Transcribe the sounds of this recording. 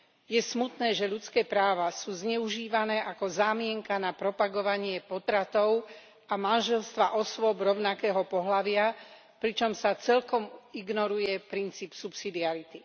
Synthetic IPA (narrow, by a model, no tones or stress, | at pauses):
jɛsmut̪nɛːʒɛʎut͡skɛːpɾaːʋasuːzɲɛuʒiːʋanɛːʔakɔzaːmɪɛŋkanapɾɔpaɡɔʋaɲɪɛpɔt̪ɾat̪ɔʊ | amanʒɛlst̪ʋaʔɔsʋɔbɾɔʊnakɛːɦɔpɔɦlaʋɪa | pɾit͡ʃɔmsat͡sɛʎkɔmiɡnɔɾujɛpɾint͡siːpsupsid̪iaɾit̪i